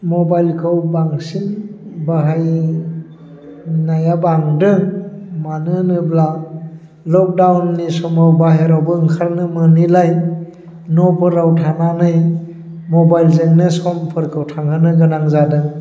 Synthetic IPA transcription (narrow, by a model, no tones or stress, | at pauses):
mɔbajlkʰɯwbaŋsinbaɦaj | najabaŋdɯŋmanɯnɯbla | lɔk̚dawnːisɔmawbaɦeɾawbɯɯŋkʰalnɯmɯnilaj | nɔpʰɯɾawtʰananɯj | mɔbajlzɯŋnɯsɔmpʰɯɾkʰɯwtʰaŋhɯnɯɡɯnaŋzadɯŋ